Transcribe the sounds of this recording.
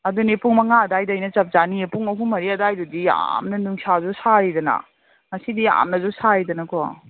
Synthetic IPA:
ɐdunepuŋmɐŋaɐdajdajnɐt͡ʃɐp̚zaniepuŋɐɦuŋmɐɾiɐdajdudia̰mnɐnuŋsazusaɾidɐnɐ̰ | ŋɐsidia̰mnɐzusaɾidɐnɐkɔ

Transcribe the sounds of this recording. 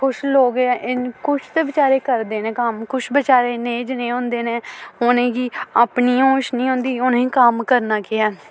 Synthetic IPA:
kʰʊʃloːɡʔɪnkʊʃʰt̪eːbɪt͡ʃaːɾeːkəɾd̪eːnẽːkəmkʰʊʃbɪt͡ʃaːɾeːneːd͡ʒnẽːɦõːnd̪eːnẽːoːnẽːɡiːaːpniːoːʃnĩːɦõːnd̪iːʊnĩːkəmkəɾnaːkɪjaː

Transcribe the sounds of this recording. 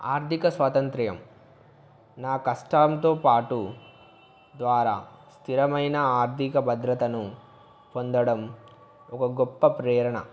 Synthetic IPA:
a̰ːɾt̪ʰikɐsʋaːt̪ɐnt̪ɾɐjɐ̰m | naːkɐʂʈaːmt̪oːpaːʈu | d̪ʋaːɾa̰ːst̪ʰiɾɐmɐjnɐaːɾt̪ʰikɐbɐd̪ɾɐt̪ɐnu | pond̪ɐɽɐm | ɔkɐɡopːɐpɾɛːɾɐɳɐ̰

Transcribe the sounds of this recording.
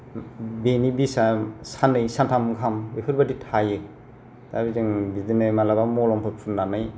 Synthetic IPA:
benibisasanɯjsantʰamɡʰʱambepʰɯɾbaditʰaje | tʰabizɯŋbidinɯjmalabamɔlɔmpʰɯpʰunːanaj

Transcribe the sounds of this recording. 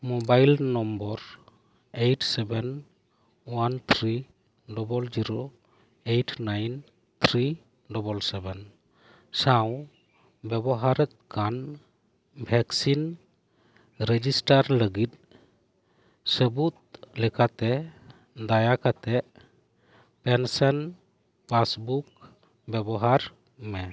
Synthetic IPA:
mɔbajlnɔmbɔɾ | ejʈsɛbɛn | want̪ʰɾi | dɔbɔld͡ʒiɾo | ejʈʰnajn | t̪ʰɾi | dɔbɔlsɛbɛn | saw | bɛbɔɦaɾɛt̪̚kʰan | bʱɛksin | ɾəd͡ʒisʈaɾləɡit̪̚ | səbut̪̚lɛkat̪ɛ | d̪ajakat̪ɛ | pɛnsɛn | pʰasbuk̚ | bɛbɔɦaɾ | mɛ

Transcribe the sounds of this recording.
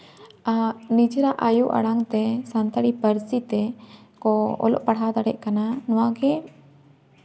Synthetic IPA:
nid͡ʒɛɾaʔajuʔa̰ɽaŋt̪ɛsant̪əɽipəɾsit̪ɛ | kɔɔ̰lɔ̰ʔpaɽɦad̪aɽɛ̰ʔ̚kananɔwaɡɛ

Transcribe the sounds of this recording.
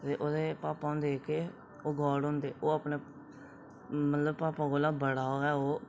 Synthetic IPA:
t̪eːʔoːd̪eːpaːpãʊ̃ːnd̪eːkeː | oːɡɔːɽɦõnd̪eːʔoːapɳeː | mət̪ləbpaːpãːɡoːlaːbəɽaːoɛːoː

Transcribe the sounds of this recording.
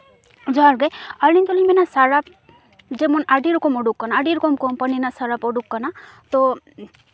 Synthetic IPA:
d͡ʒɔaɾɡajalint̪ɔliminasaɾap̚ | d͡ʒemɔnaɖiɾɔkɔmɔɖukːɔnaːɖiɾɔkɔmkɔmpaninasaɾapɔɖukːanat̪ɔ

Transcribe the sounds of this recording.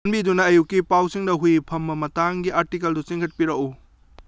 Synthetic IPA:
nbidunɐːjukːipawsiŋdɐɦujpʰɐmːɐmɐtaŋɡiʔaɾtikeldusiŋkʰɐt̚piɾɐku

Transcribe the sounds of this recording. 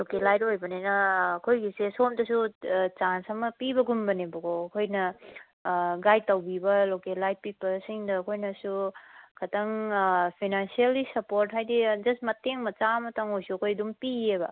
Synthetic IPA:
lokelajtojbɐnenɐːkʰojɡisesomdɐsut͡ʃansɐmɐpibɐɡumbɐnebɐkoːkʰojnɐ | ɡajtawbibɐlokelajt̚pipɐsiŋdɐːkʰojnɐsukʰɐtʰɐŋpʰijnansielɡisɐpoɾtɦajdid͡ʒɐstmɐteŋmɐt͡ʃamɐtʰaŋojsuɐkʰojɐdumpiebɐ

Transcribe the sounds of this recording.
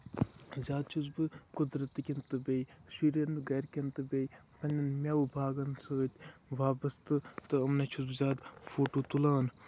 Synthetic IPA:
zʲaːd̪̚t͡ʃʰuzbɨkud̪ɾɐt̪ːɨkʲint̪ɨbej | ʃiːɾenɨɡɐɾkʲɐnt̪ɨbej | pɐnʲɐnmʲaubʱaːɡɐnsɐt̪ʲ | ʋaːbɐst̪ɨt̪ɨɐmnɐt͡ʃʰuzbɨzʲaːd̪foːt̪oːt̪ulaːn

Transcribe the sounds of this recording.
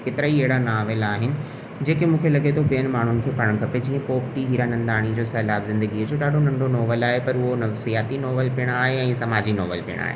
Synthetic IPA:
kɪt̪ɪɾəieɦɪɽanaːʋɪlaːɦɪnɪ̆ | d͡ʑeːkemũːkʰelɐɠet̪ʰoɓijənɪ̆maːɳ̤ʊnɪ̆kʰeːpɐɽə̃ɽ̃̆kʰɐped͡ʑĩːə̃koːpʈiɦiːɾanɐ̃nd̪aːɽ̃id͡ʑoːsɛːlaːbzɪ̃nd̪əɡiəd͡ʑoːɗaːɖʱonɐ̃ɳɖonɔːʋəlaːɦepɐɾʊɦonɐfsijaːt̪inɔːʋəlpɪəɽ̃aːɦeɛ̃ːsɐmaːd͡ʑinɔːʋəlpiə̰ɽ̃a̰ːɦḛ

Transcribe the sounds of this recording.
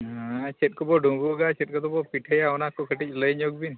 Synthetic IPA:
ɦat͡ʃɛt̪̚kɔbɔɖũbuɡat͡ʃɛt̚ˀkɔt̪ɔbɔpiʈʰejaɔnakːɔkʰəʈic̚ləjɲoɡ̚bin

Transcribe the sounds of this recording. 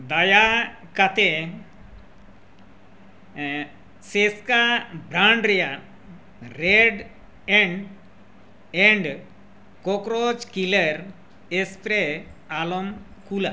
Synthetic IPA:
d̪ajakat̪e | seskabɾaɳɖɾeja | ɾeɖ | ɛɳɖ | eɳɖ | kokɾod͡ʒkiləɾ | espɾealɔmkula

